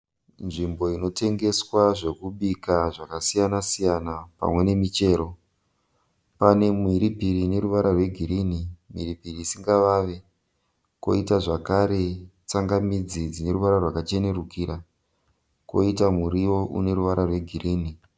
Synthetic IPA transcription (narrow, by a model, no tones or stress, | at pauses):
nʐimbo̞ino̞te̞ŋɡe̞swaʐe̞kuɓikaʐakasijanasijanapa̰mwe̞ne̞mit͡ʃe̞ːɾo̞ | pane̞mwiɾipiɾine̞ɾuʋaɾarwe̞ɡʱiɾiːnimwḭɾipiriːsiŋɡaʋaʋe̞ | ko̞̰itaʐakaɾe̞ | t͡saŋɡamid͡zid͡zine̞ɾuʋaɾarwakat͡ʃe̞ne̞rukiɾa | ko̞̰itamuɾiwo̞ʔṵne̞ɾuʋaɾarwe̞ɡʱiɾiːni